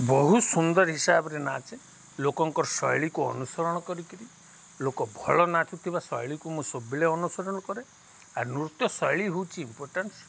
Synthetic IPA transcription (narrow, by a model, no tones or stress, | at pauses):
bɔɦusund̪ɔɾɦisabɔɾenat͡ʃʰe | lokɔŋkɔɾɔsɔjɭikuɔ̰nusɔɾɔɽ̃ɔkɔɾikiɾi | lokɔbʱɔɭɔnat͡ʃut̪ʰibasɔjɭikumũsobileɔnusɔɾɔɽ̃ɔkɔɾe | aɾnuɾut̪jɔsɔjɭiɦowt͡ʃʰiːmpoɾʈans